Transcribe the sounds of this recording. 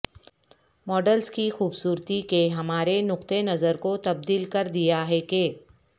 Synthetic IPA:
mɔːɖəlskixuːbsuːɾt̪ikeɦɐmaːɾenʊqt̪enɐzəɾkot̪ɐb̚d̪iːlkɐɾd̪ijaɦɛkeː

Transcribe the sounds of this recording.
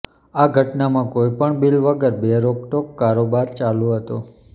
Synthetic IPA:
aɡʱəʈnamãkojpəɳbilʋəɡəɾbeɾopʈokːaɾobaɾt͡ʃalũɦət̪o

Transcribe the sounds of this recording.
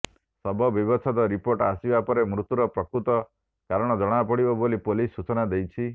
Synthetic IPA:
sɔbʱɔbibɔt͡ʃʰɔd̪ɔɾipoɾʈasibapɔɾemɾut̪uɾɔpɾɔkɾut̪ɔ | kaɾɔɽ̃ɔd͡ʒɔɽ̃apɔɽibɔbolipolisːut͡ʃɔnad̪ejt͡ʃʰi

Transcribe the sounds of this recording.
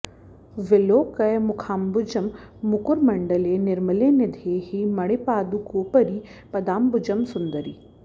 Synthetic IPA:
ʋɪloːkɐjmʊkʰaːmbʊd͡ʒəmːʊkʊɾmɐɳɖəlenɪɾməleːnɪd̪ʱeːɦimɐɽepaːd̪ukoːpəɾiːpɐd̪aːmbʊd͡ʒəmsʊnd̪əɾiː

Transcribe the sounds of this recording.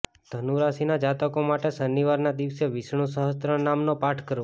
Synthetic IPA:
d̪̥ʱənuɾasinad͡ʒat̪əkomaʈesəniʋaɾnad̪iʋseʋɪʃɳ̃ũsəɦəst̪ɾə̃namnopaʈʰkəɾũ

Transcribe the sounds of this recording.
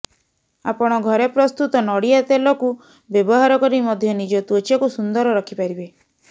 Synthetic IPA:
a̰pɔɽ̃ɔɡʱɔɾepɾɔst̪ut̪ɔnɔɽiat̪elɔku | bjɔbɔɦaɾɔkɔɾimɔd̪ʱjɔnid͡ʒɔt̪ot͡ʃjɔkusund̪ɔɾɔɾɔkʰipaɾibe

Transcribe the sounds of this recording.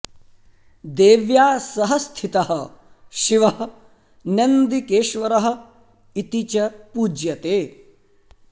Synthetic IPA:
d̪eːʋjaːsɐɦɐst̪ʰit̪ɐɦɐ̆ | ʃiʋɐɦɐ | nɐnd̪ikeːʃʋɐɾɐɦɐ̆ | it̪it͡ʃɐpuːd͡ʒjɐt̪eː

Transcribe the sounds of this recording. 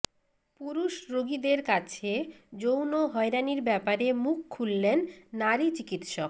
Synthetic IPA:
puɾuʃɾoɡid̪eɾkat͡ɕʰed͡ʑownoɦɔeɾaniɾbɛpaɾemukʰːulːenːaɾit͡ɕikit̪ʃok

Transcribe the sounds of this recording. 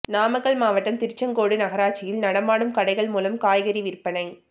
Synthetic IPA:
naːmɐɣɐɭmaːʋɐʈːɐmt̪ɪɾt͡ʃːɐŋkoːɽɯnɐɣɐɾaːt͡ʃːɪjɪlnɐɽɐmaːɽɯmkɐɽɐɪɣɐɭmuːlɐmkaːjɣɐɾiʋɪɾpɐnɐɪ

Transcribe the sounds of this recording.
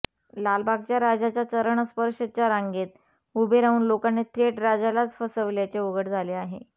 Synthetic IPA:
lalbʱaɡ̚t͡ɕjaɾad͡ʑat͡ɕjat͡səɾəɳəspəɾʂət͡ɕjaɾaŋɡet̪̚ | ubʱeɾauːnlokanːet̪ʰɾeʈɾad͡zalat͡sfəsəʋljat͡ɕeʋəɡəʈd͡zʱaleaɦḛ

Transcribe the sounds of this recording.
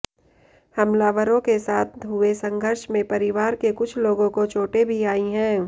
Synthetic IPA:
hɐmlaːʋəɾõkesaːt̪̚ʰɦʊesɐ̃ŋɡʱəɾʃmẽpɐɾɪʋaːɾkekʊt͡ʃʰloːɡõkot͡ʃoːʈebʱiaːiɦɛ̃ː

